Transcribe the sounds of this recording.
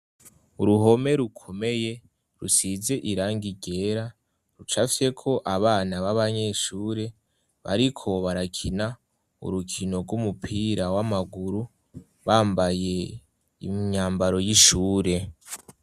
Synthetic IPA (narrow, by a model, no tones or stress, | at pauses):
uɾuɦo̞me̞ɾukʰo̞me̞je̞ | ɾṵsize̞ʔiɾaːŋɡiɟe̞ːɾa | ɾut͡ʃafi̥se̞kʰo̞ʔaβaːnaβaβaɲe̞ːʃuːɾe̞ | βa̰ɾikʰo̞βaɾakʰina | ṵɾukʰino̞ɾɡumupʰiːɾawamaɡuɾu | βaːmbaje̞ | ḭɲaːmbaɾo̞jiʃuːɾe̞